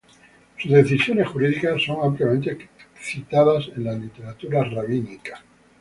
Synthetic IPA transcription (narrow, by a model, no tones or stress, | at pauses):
suzðe̞θisjo̞ne̞sxuɾiðikasːo̞ŋampljament̪eθit̪aðase̞nlalit̪e̞ɾat̪uɾaraβ̞inikḁ